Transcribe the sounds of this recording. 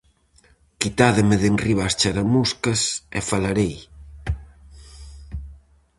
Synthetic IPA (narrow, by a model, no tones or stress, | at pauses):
kit̪aðemeðenriβast͡ʃaɾamuskɐsḛfalaɾej